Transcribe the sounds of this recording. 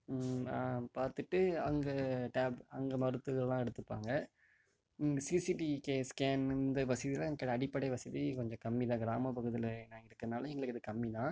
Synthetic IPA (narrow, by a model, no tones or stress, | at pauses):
paːɾt̪ɯʈːɯɐŋɡɐʈaːbɐŋɡɐmɐɾɯt̪ːɯɣɐɭlãːɛɽɯt̪ːɯpːa̰ːŋɡɐ | sisiʈikeːskaːnɪnd̪ɐʋɐsɐðilãŋkɐɽɐɽɪpːɐɽɐɪʋɐsɐðikɔɲd͡ʒɔ̃kɐmːiðãːɡɪɾaːmɐpɐɣɯðɪlnãːɪɾɯkːɐðnaːlɐ̃ɛŋɡɐɭɯkːɪðɯkɐmːiðãː